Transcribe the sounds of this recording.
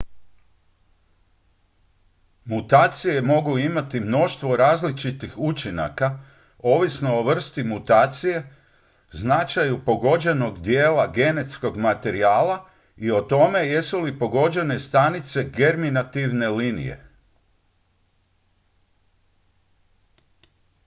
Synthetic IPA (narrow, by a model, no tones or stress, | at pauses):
mut̪aːt̪sije̞mo̞ɡuimat̪imno̞ʃt̪ʋo̞ɾaːzlit͡ʃit̪ixut͡ʃina̰ka | o̞ːʋisno̞oʋr̩st̪imut̪aːt̪sije̞ | znat͡ʃajupo̞ɡo̞d͡ʑe̞no̞ɡd̪jeːlaɡe̞ne̞t̪sko̞ɡmat̪e̞ɾiaːlˠa | io̞t̪o̞me̞jesulipo̞ɡo̞d͡ʑe̞ne̞st̪anit̪se̞ɡe̞ɾminat̪iʋne̞liːnḭje̞̰